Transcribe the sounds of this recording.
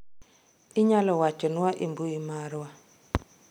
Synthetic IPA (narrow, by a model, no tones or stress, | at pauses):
ɪɲalɔwat͡ʃɔnwaʔimbuimaɾwa